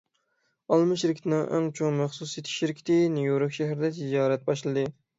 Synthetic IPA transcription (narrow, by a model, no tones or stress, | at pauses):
ɑlˠmɨʃiɾɪkʲit̪ʰɪnɪŋʔɪ̰ŋt͡ʃʰoŋmæχsusjet̪ʰɪ̥ʃiɾɪkʲʰt̪ʰɪnijoɾʊkʲʃæɦɾɪd̪ɛt̪ʰɪd͡ʒɑːɾɛt̪̚bɑʃlˠɨd̪ɨ